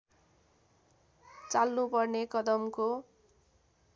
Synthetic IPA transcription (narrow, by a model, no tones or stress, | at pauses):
t͡salːupʌrnekʌd̪ʌmko